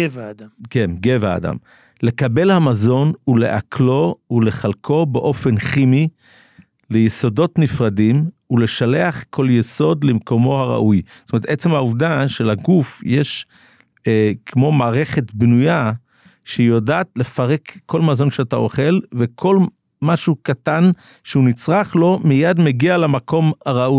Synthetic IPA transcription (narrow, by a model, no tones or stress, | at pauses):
vdakenɡeva̰ːda̰m | le̞kabe̞lhamazo̞nule̞̰ʔakʰlo̞ule̞χalkʰobeʔo̞fe̞nχimi | lejeso̞do̞tnifʁadimule̞ʃaleaχkʰo̞ljeso̞dlemko̞mo̞haʁa̰ʔujstomeet̪ʔet͡se̞mhauvdaʃe̞laɡufjeʃ | kʰmo̞maːʁe̞χe̞tbnuja | ʃejodaːt̪le̞faʁekʰːo̞lmazo̞nʃeata̰o̞̰χe̞lvekʰo̞l | maʃukatan | ʃeunit͡sʁaχlo̞mijadmeɡialamakʰo̞mhaʁaʔu